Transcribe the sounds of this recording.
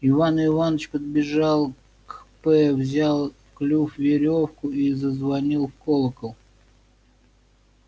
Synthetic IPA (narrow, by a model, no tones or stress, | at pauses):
ɪvanɨvanət͡ɕpəd̪̚bʲɪʐɑlˠ | kpɛvzʲalˠfklʲufvʲɪɾʲofkʊizəzvɐnʲilˠfkolˠəkəlˠ